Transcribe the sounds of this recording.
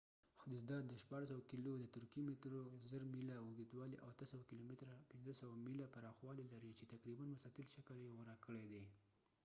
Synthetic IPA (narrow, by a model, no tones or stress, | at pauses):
xʊd̪ud̪ɑt̪̚d̪əʃpɑɽs̬awakilod̪ət̪ʊɾkimɪt̪ɾozəɾmilawʊɡd̪id̪wɑliʔawat̪əsawakilomɪt̪ɾapɪnzəsawamilapaɾɑxwɑlilaɾit͡ʃet̪akɾibanwasɑt̪ɪlʃakəljewəɾakəɽed̪e